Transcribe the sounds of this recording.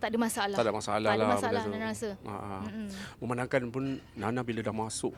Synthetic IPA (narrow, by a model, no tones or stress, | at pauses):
t̪aʔdəmasaalat̪adamasalahlaaaaanasəa̰ʔamə̃mənãŋkanpunːanabilədahmasʊʔ